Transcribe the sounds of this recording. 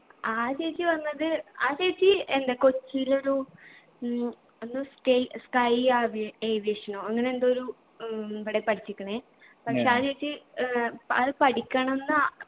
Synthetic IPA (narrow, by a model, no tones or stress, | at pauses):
aːɾeːt͡ɕːɨʋɐnːɐðɨaːɾeːt͡ɕːɨend̪eko̞t͡ɕːijilo̞ɾu | onːuskɐjskɐjaːʋeːʋeːʂɐnoːɐŋːɐneend̪o̞ɾu | iʋiɽepɐʈʰit͡ɕːikʲːɐɳeː | pɐkʂeːaːɾeːt͡ɕːɨ | ɐðɨpɐʈikʲːaːɳɐmenːɨ